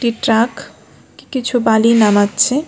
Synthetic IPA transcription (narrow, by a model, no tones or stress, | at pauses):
ʈiʈɾak | kikit͡ʃʰubalinamat̪t͡ʃʰɛ